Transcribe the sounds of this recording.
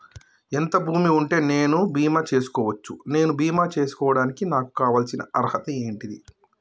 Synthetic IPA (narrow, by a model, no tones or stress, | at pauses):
ent̪ɐbʱuːmiuɳʈe̞ːne̞ːnubiːmaːt͡ʃe̞ːsu̥kɔːʋɐt͡ʃːune̞ːnubiːmaːt͡ʃe̞ːsu̥kɔːʋɐɽaːnikinaːku̥kaːʋaːlsinɐ̰ʔɐɾhɐt̪ɐe̞ːɳʈid̪i